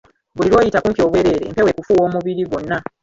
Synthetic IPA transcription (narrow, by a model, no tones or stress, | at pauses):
βuliɾo̞ːjitakuːmpio̞ːβwe̞ɾe̞ːɾe̞̰mpe̞we̞kufuwo̞ːmuβiɾiɡo̞nːa